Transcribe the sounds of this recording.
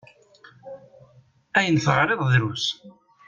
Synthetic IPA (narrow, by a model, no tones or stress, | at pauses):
æjənθəʁɾeðˤðɾus